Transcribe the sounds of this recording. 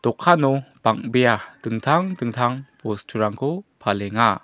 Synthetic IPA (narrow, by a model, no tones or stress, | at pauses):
d̪ɔkʰanɔbaŋ̚bejad̥ɯŋtʰaŋdɯŋtʰaŋpɔstʰuɾaŋkʰupʰalɛŋa